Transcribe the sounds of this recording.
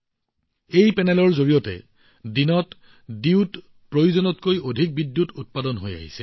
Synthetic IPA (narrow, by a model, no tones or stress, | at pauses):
ejpɛnɛlɔɹzoɹijɔtɛ̰ | dinɔt | diwt | pɹojuzɔnɔtkojodʱik̚bidːjutut̚padɔnɦoja̰ɦisɛ